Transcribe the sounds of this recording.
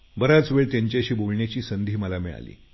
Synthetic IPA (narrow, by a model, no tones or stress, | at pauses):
bəɾat͡sʋeɭt̪jaɲt͡ɕaəɕiːbolɳjat͡ɕiːsənd̪ʱiːməlamḭɭa̰lḭː